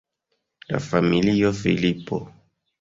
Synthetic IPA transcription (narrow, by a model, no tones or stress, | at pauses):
na̰familijɔfḭlipɔ̰